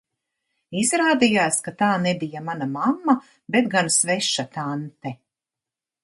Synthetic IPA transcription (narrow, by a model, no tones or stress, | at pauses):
izɾaːd̪ijaːskat̪aːnɛbijamanamamːa | bet̪̚ɡansvɛʃat̪ant̪ɛ